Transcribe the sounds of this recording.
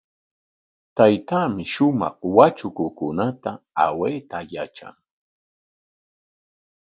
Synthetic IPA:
t̪ajt̪aːmɪʃʊmɑ̰χwat͡ʃʊkʊkʊnat̪aa̰weːt̪ajaʈ͡ʂa̰ŋ

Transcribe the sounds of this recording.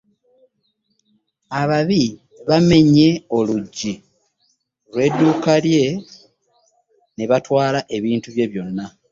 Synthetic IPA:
aβaβi | βame̞ɲe̞o̞luɟːi | lwe̞ːdːuːkalje̞ | ne̞βatwaːlaʔe̞βiːntuβje̞βjo̞nːa

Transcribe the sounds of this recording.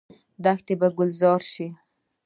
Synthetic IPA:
d̪axt̪ebaɡʊlzɑɾʃi

